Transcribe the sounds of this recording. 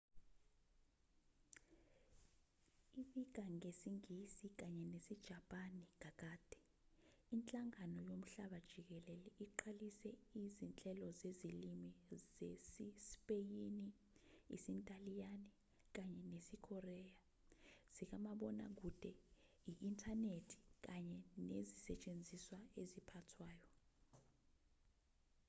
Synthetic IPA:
iɓik̬aŋesiŋisik̬aɲɛnesid̥ʒ̥ʱapʼaniŋak̬aːd̥ʱɛ̥ | int͡ɬʼaŋanɔjom̩ɬaɓad̥ʒ̥ʱik̬ɛlɛlɛʔiǃʰalisɛizint͡ɬʼɛlɔzezilimizesispʼejini | ḭsintʼalijani | k̬aɲɛnesikʰɔrɛja | z̥ik̬amaɓɔna̰k̬ud̥ʱʼɛ | iʔintʼʰanetʰi̥k̬aɲɛnezisɛt͡ʃʼend͡zʱiswaezipʰatʰwaːjɔ

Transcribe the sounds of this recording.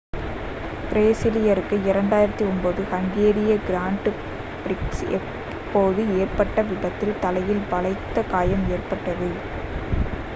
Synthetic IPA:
pɪɾeːsɪlɪjɐɾɯkːɯɪɾɐɳɖaːjɪɾɐt̪ːiɔnbɐðɯhɐŋɡeːɾɪjɐɡɪɾaːɳʈ | bɾɪksɛ̰ | pːoːðɯeːrpɐʈːɐʋɪɽɐt̪ːɪlt̪ɐlɐjɪlʋɐɭɐɪt̪ːɐkaːjɐmeːrpɐʈːɐðɯ

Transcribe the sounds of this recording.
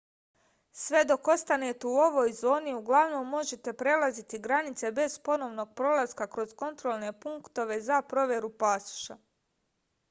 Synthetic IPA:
sʋe̞d̪o̞ko̞st̪ane̞t̪euo̞ʋo̞ːjzo̞ːniuɡlˠaʋno̞mːo̞ʒe̞t̪e̞pɾe̞lazit̪iɡɾanit̪se̞be̞zpo̞no̞ʋno̞ːɡ̚pɾo̞lˠaskakɾo̞zko̞nt̪ɾolˠne̞puŋkt̪o̞ʋe̞zapɾo̞ʋʲje̞ɾupaːsu̥ʃa

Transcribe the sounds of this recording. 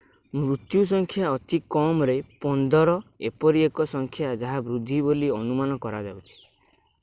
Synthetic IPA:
mɾut̪jus̬ɔŋkʰjaɔt̪ikɔmɾepɔnd̪ɔɾɔepɔɾiekɔsɔŋkʰjad͡ʒaɦabɾud̪ʱːiboliɔnumanɔkɔɾad͡ʒa̰wt͡ʃʰi̥

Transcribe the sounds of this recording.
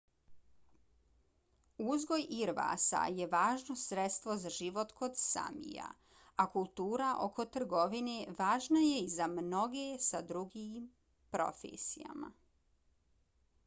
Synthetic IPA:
uzɡo̞jiɾʋa̰sa̰je̞ʋaːʒnosɾet̪st̪ʋo̞zaʒiʋo̞t̪ko̞d̪sa̰mḭja̰ | akulˠt̪uːɾaʔo̞̰kʰo̞t̪r̩ɡo̞ʋineʋaːʒnaje̞izamno̞ɡesad̪ɾuɡim | pɾo̞̰fḛːsḭja̰ma̰

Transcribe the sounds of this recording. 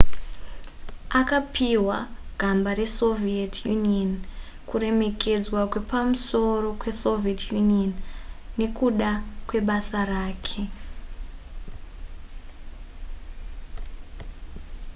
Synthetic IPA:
akapiwaɡ̥ʱambaɾe̞so̞vietʰjunion | kure̞me̞kʰe̞d͡zwakwe̞pamuso̞ro̞kwe̞so̞vietʰjunionːe̞kuɗakwe̞ɓasaraːkʰe̞

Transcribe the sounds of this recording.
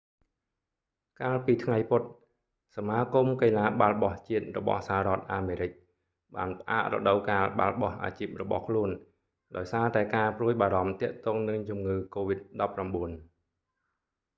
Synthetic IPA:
kaːlpiːt̪ʰŋajpʊt̪̚ | samaːkumkelaːɓalɓɑht͡ɕiət̪̚rɔɓɑ̰hshaaɾɔ̆ət̪̚ʔaːmeːɾɨc̚ | ɓa̰ːnpə̆ʔa̰ːʔrɔ̰ɗəwkaːlɓa̰lɓɑhʔa̰ːt͡ɕiːp̚rɔɓɑ̰hkʰluən | ɗaɔjsaːt̪aɛkaːpruəjɓaːɾɑmt̪ɛ̆əʔt̪ɔːŋnɨŋt͡ɕumŋɨːkoːʋit̪̚ɗɑpːramɓuən

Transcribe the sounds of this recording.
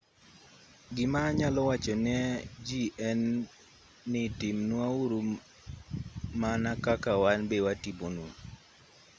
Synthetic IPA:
ɡɪmaɲalɔwat͡ʃɔnɛd͡ʒiʔɛnː | ɪtɪmnuauɾu | manakakawanbewatibonu

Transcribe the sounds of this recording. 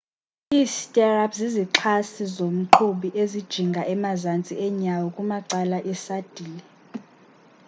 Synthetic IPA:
iːstʼɛrapʰziziǁʰasizom̩ǃʰuɓiʔezid̥ʒ̥ʱiŋɡʱaʔɛmazant͡sʼiɛɲawɔkʼumaǀalaʔɛsad̥ʱiːlɛ

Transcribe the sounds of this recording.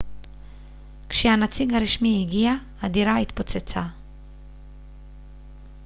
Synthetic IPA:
kʃehanat͡siɡaɾiʃmiiɡiahad̪iɾait̪pot͡set͡sa

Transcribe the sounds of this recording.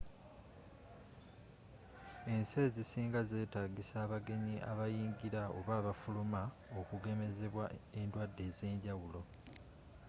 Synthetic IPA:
e̞nse̞ːzisiːŋɡaze̞ːtaɡisaːβaɡe̞ɲiʔa̰βajiːŋɡiɾao̞̰βaːβafuluma | o̞kuɡe̞me̞ze̞βwae̞ndwadːe̞ze̞ːɲɟawulo̞

